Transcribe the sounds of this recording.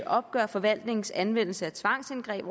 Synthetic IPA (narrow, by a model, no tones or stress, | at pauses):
ʔɒ̽b̥̚ɡ̥ɶɐfɒ̽ʋæl̰d̥ne̝ŋn̩sænʋen̰l̩səæt͡sʰʋɑ̈ŋ̰senɡ̥ʁɛ̰ːb̥